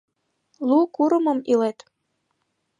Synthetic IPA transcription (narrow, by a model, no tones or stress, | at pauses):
lukuɾə̆mə̆milet̪